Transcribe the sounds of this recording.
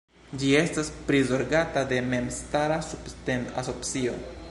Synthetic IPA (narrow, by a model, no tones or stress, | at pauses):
d͡ʒie̞staspɾizo̞ɾɡatade̞me̞mstaɾasuptenaso̞psio̞